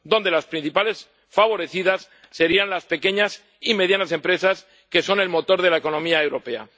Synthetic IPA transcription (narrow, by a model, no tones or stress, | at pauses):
d̪o̞nd̪e̞laspɾin̟θipale̞s | faβ̞o̞ɾe̞θið̞asː | e̞ɾianlaspeke̞ɲas | ime̞ðjanase̞mpɾe̞sas | ke̞so̞ne̞lmo̞t̪o̞ɾð̞e̞laeko̞nõ̞miae̞wɾo̞pe̞a̰